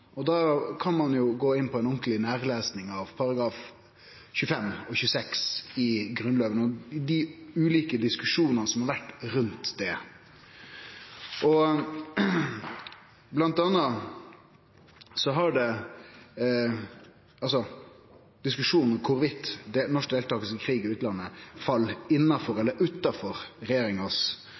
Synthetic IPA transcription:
ɔd̪ɑːkʰɑnmɑnjʊɡoːɪnːpʰɔɛɪnɔŋklɪnæːɾleːsnɪŋɑʋpʰɑɾɑɡɾɑːf | çʉːəfɛmɔçʉːəsɛksɪɡɾʉnløːʋənɔd̪ɪʉːliːkəd̪ɪskʉʂuːnənəsɔmhɑɾʋæʈːɾʉnt̪d̪ɛ | ʔɔ | blɑnt̪ɑnːɑ | sɔɦɑɖɛ | ɑlsɔ | d̪̥ɪskʉʂuːnn̩kʰʊɾʋɪt̪ːd̪ɛnɔʂk̚d̪eːlt̪ɑːɡəsəkʰɾiːɡɪʉːt̪lɑnːəfɑlːɪnːɑfɔɾɛlːəɾʉt̪ɑfɔɾɾɛjeːɾɪŋɑs

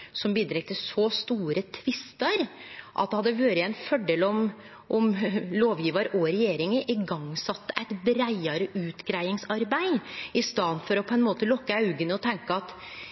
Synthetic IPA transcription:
sɔmbiːd̪ɾɛɡ̚t̪ʰɪsɔst̪uːɾət̪ʰʋɪst̪əɾʔɑ̰t̪̚d̪ɛhɑd̪ːəʋøːɾəɛɪnfɔɖeːlɔm | ʔɔmloːʋjiːʋɑɾʔɔɾɛjeːɾɪŋəʔɪɡɑŋːsɑt̪ːəʔæɪt̪bɾæɪɑɾəʔʉːt̪ɡɾæɪɪŋsɑɾbæɪɪst̪ɑnfɔɾɔpʰɔɛnmoːt̪əlɔkːəɑʉɡənəɔt̪ʰɛŋkəɑt̪

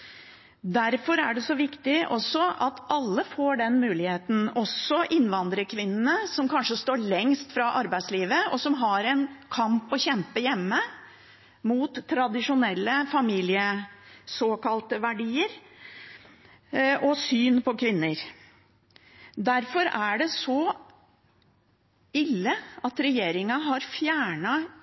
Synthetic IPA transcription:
d̪æɾfɔɾæ̰ɖɛsɔʋɪkt̪ɪʔɔsːɔɑt̪ʔɑlːəfoːɖɛnmʉːlɪheːt̪n̩ɔsːɔʔɪnʋɑnd̪ɾəkʰʋɪnːən̩əsɔmkʰɑnʂəst̪oːɭɛŋst̪fɾɑʔɑɾbæɪsliːʋəɔsɔmɦɑɾɛnkʰɑmpɔçɛmpəjɛmːə | muːt̪ʰːɾɑd̪ɪʂʊnɛlːəfɑmiːlɪəsoːkɑlt̪əʋæɖiːəɾ | ʔɔsyːnpɔkʰʋɪnːəɾ | d̪æɾfɔɾæɖɛsɔ | ɪlːəɑt̪ɾɛjeːɾɪŋɑɦɑɾfjæːɳɑ

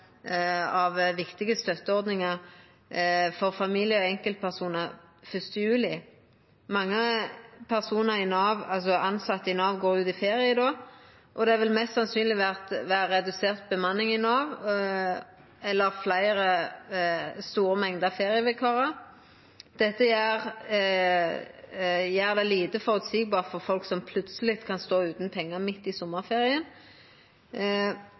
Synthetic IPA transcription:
ɑʋʋɪkt̪ɪɡəst̪œt̪ːəɔʁd̪nɪŋəʁ | fɔʁfɑmiːlɪəɔɛŋkəlt̪̚pʰæʁsuːnəʁfʏst̪əjʉːlɪ | mɑŋːəpʰæʁsuːnəɾɪnɑːʋɑls̬ɔɑnsɑt̪ːɪnɑːʋɡoːʁʉːt̪ɪfeːʁɪəd̪ɔ | ʔɔd̪ɛæʋɪlmɛst̪sɑnsyːnlɪʋæʁt̪ʋæːəɾɛd̪ʉseːʁt̪̚bəmɑnːɪŋɪnɑːʋ | ɛlːəʁflæɪʁə | st̪uːɾəmɛŋd̪ɑfeːʁɪəʋɛkʰɑːʁɑ | d̪̥ɛt̪ːəjæːʁ | jæːʁd̪ɛliːt̪əfɔʁʉːt̪siɡ̚bɑːʁfɔʁfɔlksɔmpʰlʉt̪səlɪt̪kʰɑnst̪oːʉːt̪n̩pʰɛŋːəmɪt̪ːɪsɔmːəʁfeːʁɪən

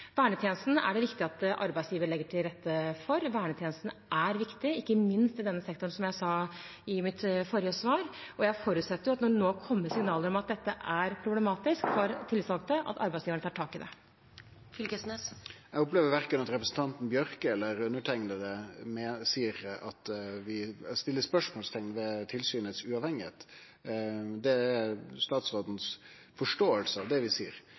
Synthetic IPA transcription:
ʋæːɳət̪ʰjeːnəst̪n̩æ̰ɖɛʋɪkt̪ɪɑt̪ʔɑ̰ɾbæɪsjiːʋəɾɭɛɡːəʈʰɪlɾɛt̪ːəfɔɾʋæːɳət̪ʰɛːnəst̪n̩ʔæɾʋɪkt̪ɪɪkːəmɪnst̪ɪd̪ɛnːəsɛkt̪ʊɳsɔmjæɪsɑɪmɪt̪fɔɾɪjəsʋɑːɾʔɔjæɪfɔɾʉt̪sɛt̪ːəɾjʊɑt̪nɔɳoːkʰɔmːəɾsɪŋnɑːləɾɔmɑt̪̚d̪ɛt̪ːəʔæɾpʰɾʊblɛmɑːt̪ɪskfɔɾt̪ʰɪlsɑlɡt̪əʔɑ̰t̪ɑ̰ɾbæɪsjiːʋɳət̪ʰɑːʈʰɑːkɪd̪ɛ̰ | fɪlkəsnesɛɡʊpleːʋəɾʋæɾkənɑt̪ɾɛpɾəsən̩t̪ɑnt̪n̩bjœɾkəɛlːəɾʉnːəʈʰɛŋnəd̪ɛmesiːɾɑt̪ʋɪst̪ɪlːəspœʂmoːlst̪ʰɛŋnʋɛt̪ʰɪlsyːnət̪sʉɑːʋhɛŋːɪhḛːt̪ | d̪ɛːst̪ɑːt̪sʋɑd̪n̩s | fɔʂʈoːəlsəɑʋd̪ɛʋɪsiːəɾ

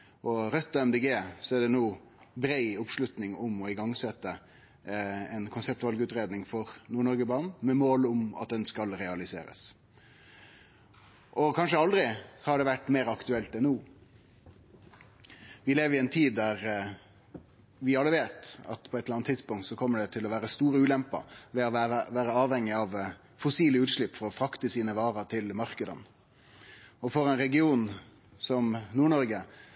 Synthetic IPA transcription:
ʔɔɾœt̪ːɑɛmd̪ɛːɡeːsɔæɖɛnuː | bɾæɪʊpʂlʉt̪nɪŋʊmɔɪɡɑŋsɛt̪ːə | ɛnkʰʊnsɛpt̪ʉʋɑlɡʉːt̪ɾeːd̪nɪŋfɔɾnuːɳɔɾɡəbɑɾʁnn̩mɛmoːlʊmɑ̰t̪̚d̪ɛnskɑlɾɛɑlɪsḛːɾə̰s | ʔɔkʰɑnʂəɑld̪ɾɪhɑɖɛʋæʈːmeːɾɑkt̪ʉɛlt̪ɛnːuː | ʋɪleːʋəɾɪɛnt̪ʰiːd̪ːæʁ | ʋɪɑlːəʋeːt̪ɑ̰t̪pʰɔɛt̪ləɾɑnt̪ʰːɪd̪spʊŋkt̪sɔkʰɔmːəɖɛt̪ʰɪlɔʋæːɾəst̪uːɾəʉːlɛmpɑ̰ʋɛɔæʋæːɾəɑːʋhɛŋːɪɑʋ | fɔsiːləʉːt̪ʂɭɪpːfɔɾɔfɾɑkt̪əsiːnəʋɑːɾət̪ʰɪlmɑʁkəd̪ə̰n | ɔfɔɾɛɪnɾɛɡɪuːn | sɔmnuːɳɔɾɡə

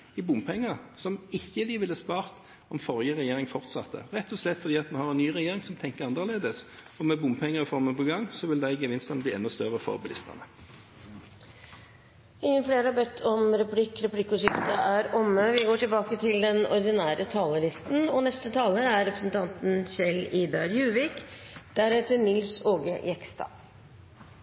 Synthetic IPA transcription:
ɪbʊmpʰɛŋːəʁsɔmɪçːəd̪ɪʋɪlːəspɑːʁt̪ | ɔmfɔʁjəʁɛjeːɾɪŋfɔʁt̪sɑ̰t̪ʰːə̰ʁɛt̪ːɔslɛt̪ːfɔʁd̪iːɑt̪mɛnhɑːʁɛnnyːʁɛjeːɾɪŋsɔmt̪ʰɛŋkəʁɑnd̪əleːd̪əs | ɔmɛbʊmpʰɛŋːəʁɪfɔʁmənpɔɡɑŋsɔʋɪld̪æɪɡəʋɪnst̪ɑnb̪iːɛnːɔst̪œʁəfɔ̰ʁbɑlʔɪst̪ə̰nə | ɪŋːənfleːɾəhɑbɛt̪ʰːɔmɾɛplɪkɾɛpʰlɪkːʊsʏkt̪əʔæɾɔmːəʋɪɡoːʈɪlbɑːkət̪ʰɪld̪ɛnɔɾd̪ɪnæːɾət̪ʰɑːləlɪst̪n̩ɔnɛst̪ət̪ʰɑːləæɾɾɛpɾəsn̩t̪ʰɑnt̪n̩sɛliːd̪ɑɾjʉːʋɪːkd̪̥æɾɛt̪ːənɪlsoːɡə̰jɛkst̪ɑ̰ː

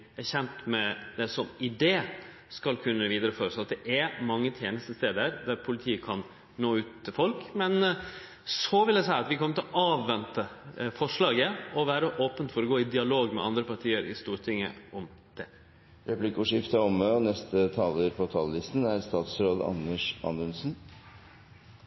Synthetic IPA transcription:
æçɛnt̪mɛd̪ɛsɔmɪd̪eː | skɑlkʰʉnːəʋiːd̪əɾəfɔːɾəsɑt̪̚d̪ɛʔæɾmɑŋːət̪ʰjeːnəst̪əst̪eːd̪əəɾd̪æɾpʰʊlɪt̪ʰiːəkʰɑn | noːʉːt̪t̪ʰɪfɔlkmɛn | sɔʋɪld̪ɛsæɪɑt̪ʋɪkʰɔmːət̪ɪlɔʔɑːʋːɛnt̪əfɔʂɭɑːɡəɔʋæːɾəʔɔːpənt̪fɔɾɔɡoːɪd̪ɪɑloːɡmɛ̰ʔɑ̰nd̪ɾəpɑʈ̪ʰiːəɾɪ̰st̪uːɾʈʰɪŋːə̰ɔm | d̪̥ɛ | ɾɛplɪkəuːʂɪft̪əɔməɔnɛst̪ʰət̪ʰɑːləɾpʰɔt̪ʰɑːləlɪst̪n̩æɾst̪ɑːt̪sɾoːd̪ɑ̰nəʂɑ̰nʉnsn̩

